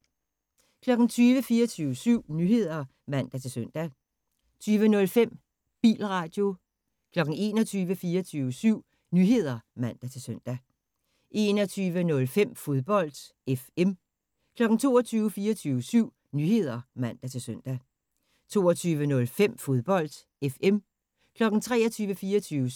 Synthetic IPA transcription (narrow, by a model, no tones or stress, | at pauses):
kʰlɒ̽ɡ̥n̩t͡sʰyːʋəfiːɐt͡sʰyːʊəsyʊ̰nyːhe̝ð̞̰ˠɐ | mæn̰d̥æt͡sʰe̝søn̰d̥æ | t͡sʰyːʋənɔ̽lfem̰ | b̥ḭːlʁɑ̈d̥jo̝ | kʰlɒ̽ɡ̥n̩e̝ːnɒt͡sʰyːʋəfiːɐt͡sʰyːʊəsyʊ̰ | nyːɦe̝ð̞̰ˠɐmæn̰d̥æt͡sʰe̝søn̰d̥æ | ʔe̝nɒ̽t͡sʰyːʋənɔ̽lfem̰fo̝ðˠb̥ɒ̽l̰d̥ | efem | kʰlɒ̽ɡ̥n̩t͡sʰo̝ːɒt͡sʰyːʊəfiːɐt͡sʰyːʋəsyʊ̰ | nyhe̝ð̞̰ˠɐmæn̰d̥æt͡sʰe̝lsøn̰d̥æ | t͡sʰo̝̰ːɒt͡sʰyːʋənɔ̽lfem̰fo̝ðˠb̥ɒ̽l̰d̥ | efem | kʰlɒ̽ɡ̥n̩t͡sʰʁɛ̰ːɐt͡sʰyːʋəfiːɐɒt͡sʰyːʋə